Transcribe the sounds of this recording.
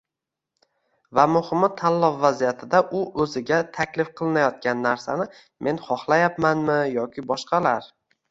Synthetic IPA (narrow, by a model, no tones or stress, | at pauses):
vamʊhɪmɪt̪ʰːanlɒfːazijat̪ʰɪd̪aʔʊʔɵzɪɡʲat̪ʰakʲlɪfqʰɨlˠɪnajɒt̪̚kʲanːaɾsanɪ | mʔe̞nχɒχlˠajapmanmɪjɒkʲʰɪbɒʃqɑlaɾ